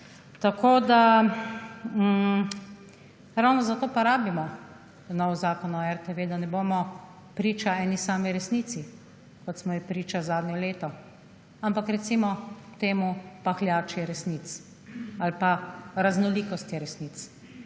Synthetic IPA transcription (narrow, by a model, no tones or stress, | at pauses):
t̪akʰoːd̪a | ɾawnɔzat̪oːpɔɾaːbimɔ | nɔwɔzaːkɔnɔɛɾt̪eʋeːd̪anɛboːmɔ | pɾiːt͡ʃaɛːnisaːmiɾɛsniːt̪si | kɔt̪smɔjipɾiːt͡ʃazaːd̪nʲjɛleːt̪ɔ | ampakɾɛt̪simɔt̪eːmupaxlʲjaːt͡ʃjɛɾɛsnit̪s | alpaɾaznɔliːkɔst̪jɛɾɛsnit̪s